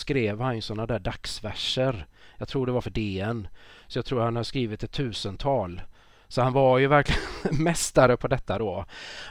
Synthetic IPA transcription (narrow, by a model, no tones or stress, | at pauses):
skɾeːvhanjɵsɔnːad̪æːɖaksvæʂəɾjɑːɡ̚t̪ʰɾuːɖɛvaɾfœɖeːɛnsɔjaɡt̪ʰɾuːɾhanhad̪əskɾiːvɪt̪ɛt̪ʰːʉ̟ːsənt̪ʰɑːl | sɔhanvaɾjɵvæɾklɪɡnmɛst̪aɾəpʰɔd̪ɛt̪ːad̪ɔ